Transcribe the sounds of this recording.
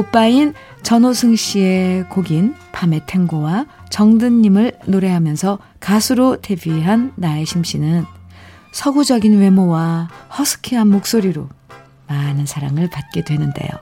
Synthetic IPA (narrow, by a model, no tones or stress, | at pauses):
op͈ain | t͡ɕʌnosʰɯŋɕ͈ie̞koɡinpame̞tʰe̞ŋɡowa | t͡ɕʌŋdɯɲːimɯɭnoɾe̞ɦamjʌnsʰʌ | kasʰuɾote̞biɦanːae̞ɕʰimɕ͈inɯn | sʰʌɡud͡ʑʌɡinwe̞mowahʌsʰɯ̥kʰiɦanmok̚s͈oɾiɾo | manɯnsʰaɾaŋɯɭpat̚k͈e̞dwe̞nɯnde̞̰jo̰